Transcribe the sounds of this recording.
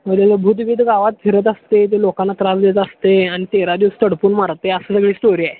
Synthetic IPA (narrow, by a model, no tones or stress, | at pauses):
məlaləbʱud̪ʋiːd̪ɡaʋat̪̚fʰiɾət̪ast̪et̪̬elokãnːat̪ɾasd̪et̪ast̪eañit̪eɾad̪iʋst̪əɽpuːnmaɽt̪eəsəːsəɡɭiːsʈoɾiːae